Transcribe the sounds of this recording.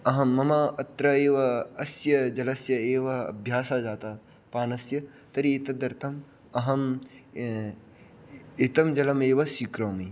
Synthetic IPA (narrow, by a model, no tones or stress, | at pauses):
ɐɦɐmːɐmɐɐt̪ɾɐeːʋɐɐsjɐd͡ʒɐlɐsjɐeːʋɐɐ̰bʱjaːsaːd͡ʒaːt̪aː | paːnɐsjɐ | t̪ɐɾieːt̪ɐd̪ɐɾt̪ʰɐm | ɐɦɐm | et̪ɐmd͡ʒɐlɐmeːʋɐsikɾɐːmi